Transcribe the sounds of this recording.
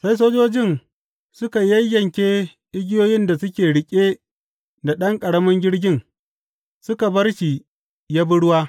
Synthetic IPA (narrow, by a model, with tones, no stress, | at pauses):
sa˦js̬oː˦d͡ʒoː˦d͡ʒɪ˦˨n | sʊ˦ka˨jɐ˦jːɐ˨ŋkʲeː˦ | ʔɪ˦ɡʲɪ˦joː˦jɪ˦nda˨sʊ˦kʲeː˨ɽɪ˨kʲʼeː˦ | nda˨ɗɐ˦ŋkʼɐ˨ɽɐ˦mɐ˦ŋɡʲɪ˦ɽɡʲɪ˦ŋ | sʊ˦ka˨bɐ˦rʃi˨ | jaː˦bʊ˦ɽʊ˦waː˦